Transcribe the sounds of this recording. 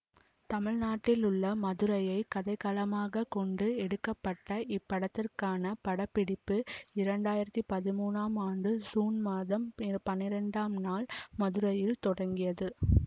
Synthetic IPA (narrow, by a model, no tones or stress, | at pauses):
t̪ɐmɪɻnaːʈːɪlʊɭːɐmɐðɯɾɐjɐɪkɐðɐɪkɐlɐmaːɣɐkɔɳɖɯɛɽɯkːɐpːɐʈːɐʔɪpːɐɽɐt̪ːɪrkaːnɐpɐɽɐpːɪɽɪpːɯɪɾɐɳɖaːjɪɾɐt̪ːipɐðɪmuːnaːmaːɳɖɯsuːnmaːðɐmpɐnːɪɾɐɳɖaːmnaːlmɐðɯɾɐjɪlt̪ɔɽɐŋɡɪjɐðɯ